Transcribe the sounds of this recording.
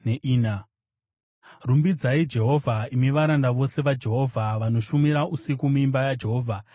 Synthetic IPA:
neʔiːna | rumbid͡zaid͡ʒe̞ɦo̞vʱaimiʋaɾandaʋo̞se̞ʋad͡ʒe̞ɦo̞vʱaʋano̞ʃumiɾaʔusikumuimbajad͡ʒe̞ɦo̞ːvʱa

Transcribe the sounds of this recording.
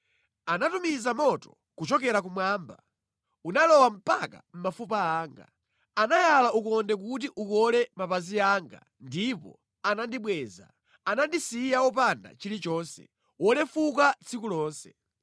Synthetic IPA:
anatumizamɔtɔ̥ | kut͡ʃɔkɛɾak̬umwaːmba | unalɔwam̩paka̰m̩mafupaːŋɡa̰ | anajalaukɔndɛk̬ut̬iʔukɔlɛmapaziaːŋɡa̰ | ndipɔ̰ | anandiɓwɛːza̰ | anandisijawɔpanda̰t͡ʃilit͡ʃɔːnsɛ̰ | wɔlɛfukat͡sʰikulɔːnsɛ

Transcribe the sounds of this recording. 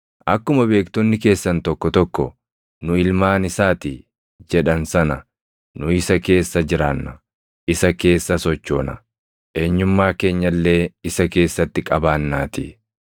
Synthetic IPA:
ʔɐkːʊmɐbe̞ːkt̪ɔnːɪke̞ːsːɐnt̪ɔkːɔt̪ɔkːɔ̰ | nʊɪlmaːnɪsaːt̪ɪ | d͡ʒɛᶑɐnsɐnɐ | nʊɪsɐke̞ːsːɐd͡ʒɪɾaːnːɐ | ʔɪsɐke̞ːsːɐsɔt͡ʃːo̞ːnɐ̰ | ʔe̞ːɲːʊmːaːke̞ːɲːɐlːe̞ːɪsɐke̞ːsːɐt̪ːɪkʼɐbaːnːaːt̪ɪ

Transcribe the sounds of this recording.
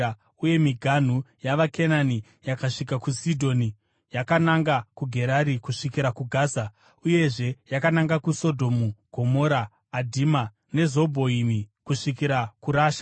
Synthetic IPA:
uje̞miɡʱan̤ujaʋakʰe̞nani | jakaʂikakusidʱo̞ni | jakanaŋɡakuɡʱe̞ɾaɾikuʂikiɾakuɡʱaːsa | uje̞ʐe̞jakanaŋɡakuso̞dʱo̞muɡ̥ʱo̞mo̞ɾaː | dʱima | ne̞zo̞bʱo̞imikuʂikiɾakuɾaːʃḁ

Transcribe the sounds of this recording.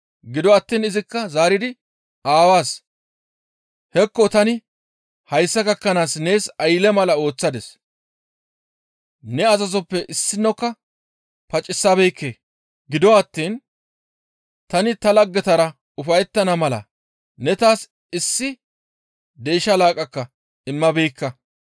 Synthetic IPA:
ɡɪd̪ɔɐt̪ːiːnɪzɪkːɐzaːɾɪd̪ɪ | aːwaːs | hɛkːɔt̪ɐnɪ | hɐjsːɐɡɐkːɐnaːsne̞ːsɐjlɛmɐlɐo̞ːt͡sːɐd̪ɛs | nɛɐzɐzɔpːɛʔɪsːɪnːɔkːɐ | pɐt͡ʃʼːɪsːabɛjkːeː | ɡɪd̪ɔwɐt̪ːiːn | t̪ɐnɪt̪ɐlɐɡːɛt̪ɐɾɐ | ʊfɐjɛt̪ːɐnɐmɐlɐ̰ | nɛt̪aːs | ɪsːɪ | d̪e̞ːʃɐlaːkʼɐkːɐ | ɪmːɐbɛjkːɐ

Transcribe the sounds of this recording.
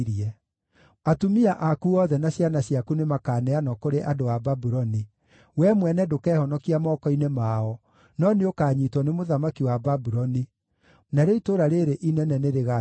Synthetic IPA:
ɾiɛ | atumiaʔakuɔðɛnaɕjanaɕjakunemakaːnɛanɔkoɾeʔadowababuɾɔni | wɛmwɛnɛdokɛːhɔnɔkiamɔːkɔinemaɔ | nɔneokaːɲitwɔnemoðamakiwababuɾɔni | naɾeitoɾaɾeɾeʔinɛnɛneɾeɣa

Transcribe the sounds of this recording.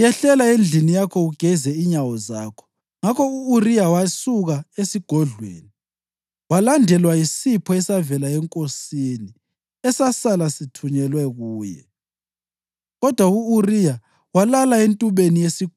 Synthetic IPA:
jɛɬɛlaend͡ɮʱinijakʰɔuɡ̥ʱɛzɛiɲawɔza̰kʰɔ̥ | ŋakʰɔuːrijawasuɣaesiɡ̥ʱɔɮwḛːni | walandʱɛlwaisipʰɔɛsavɛlaɛŋkʼosini | ɛsasalasitʰuɲɛlwɛɣuːjɛ̰ | ɣɔd̥ʱwauurija | walalaentʼuβenijesi̥

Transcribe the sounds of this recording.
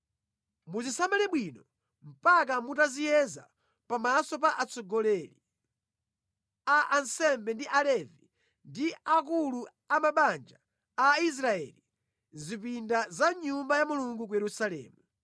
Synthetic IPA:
muzisamalɛɓwinɔ | m̩pak̬amutazijɛza̰ | pamasɔp̬aʔat͡sɔɡɔlɛli | aʔansɛmbɛndiʔalɛvi | ndiak̬ulu | amaɓand͡ʒaː | is̬ɾaɛ̰li | zip̬indazaɲumbajamuluŋɡuk̬ujɛɾusalɛ̰ːmu

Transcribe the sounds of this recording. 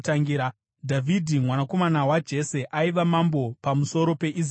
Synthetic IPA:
taŋɡiɾa | dʱavʱidʱimwanako̞manawad͡ʒe̞se̞ʔaiʋamambo̞pamuso̞ɾo̞pe̞ʔiz

